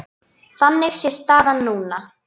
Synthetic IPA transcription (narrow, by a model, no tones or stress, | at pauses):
θanːɪɣsjɛst̪aːðanːuːna